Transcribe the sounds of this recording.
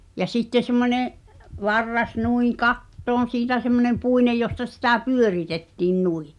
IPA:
jɑ sitːe semːonʲeʔ ʋɑrːɑs nuĩː kɑtːoːn̞ siːtæ semːonem puinej jostɑ sitæ pyøritetːiːn nui

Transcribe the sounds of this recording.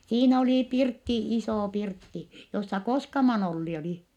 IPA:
siːn oliˑ pirtːi isoˑ pirtːi josːɑ koskɑmɑn olːi oli

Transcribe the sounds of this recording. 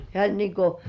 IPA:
hĕæˑ olʲ niːŋ ko

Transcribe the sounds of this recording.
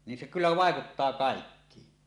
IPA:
nin se kylːæ ʋɑˑekutːɑː kɑˑekːiːn

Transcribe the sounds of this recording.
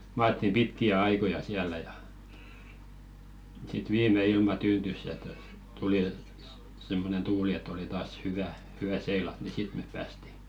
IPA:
mɑːtːim pitkiæ ɑikojɑ siælˑæ jɑ sit ʋiːmˑe ilmɑ tyːntys jɑ totɑ tuli simːonen tuːli etˑ oli tɑːs hyʋæ hyæ seilɑt ni sit mep pæːsti

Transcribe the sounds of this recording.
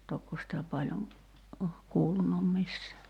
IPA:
tokːo sĭtæ pɑlʲjoŋ oh kuːlunum misːæː

